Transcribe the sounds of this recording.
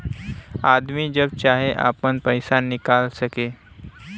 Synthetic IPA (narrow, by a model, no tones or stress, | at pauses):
ad̪miːd͡ʑəb̚t͡ɕaɦeʔa̰pənpəjsanːikalsəke